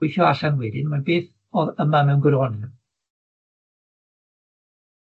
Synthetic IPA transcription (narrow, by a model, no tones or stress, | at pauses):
ʊɨθjɔaɬanwɛdɨnmanbeːθ | ɔðəmamɛwnɡəɾɔnɨ